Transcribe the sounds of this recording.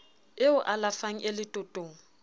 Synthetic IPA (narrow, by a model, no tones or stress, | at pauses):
ɪʊʔalafaŋ̩ʔɪlɪtʼʊtʼoːŋ̩